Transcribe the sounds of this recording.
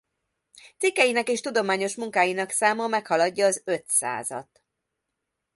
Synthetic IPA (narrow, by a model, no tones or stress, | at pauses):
t̪sikːɛjinɛkeːʃt̪ud̪o̞maːɲo̞ʃmuŋkaːjinɒksaːmɒmɛkhɒlɒɟːɒːzø̞t̪sa̰ːzɒ̰t̪